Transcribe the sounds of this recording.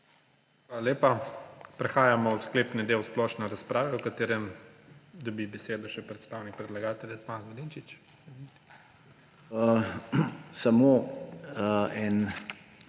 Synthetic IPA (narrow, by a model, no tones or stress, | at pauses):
xʋaːlaleːpapɾɛxaːjamɔwskleːpnɛd̪eːwsplɔʃnɛɾaspɾaːʋɛwkat̪eːɾɛm | d̪ɔbibɛseːd̪ɔʃɛpɾɛt̪st̪awnik̚pɾɛd̪laɡaːt̪ɛlʲjɛt̪smanɡɔlint͡ʃit͡ʃ | ɛi | samo | ɛn